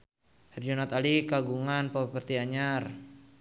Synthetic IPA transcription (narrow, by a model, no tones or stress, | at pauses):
hɛrd͡ʒɔnat̪alikaɡuŋanpapərt̪iaɲar